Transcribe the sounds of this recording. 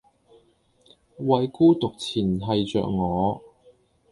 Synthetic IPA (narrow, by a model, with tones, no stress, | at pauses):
wɐ˨˧jkuː˥t̪ʊ˨k̚t͡sʰiː˨˩nɦɐ˨˧jt͡sœ̰ː˨k̚ŋɔː˨˧